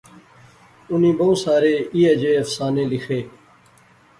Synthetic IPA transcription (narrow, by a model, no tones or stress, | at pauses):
ʊnĩːboːsaːɾeːiːeːd͡ʒeːəfsaːnẽːlɪxʰeː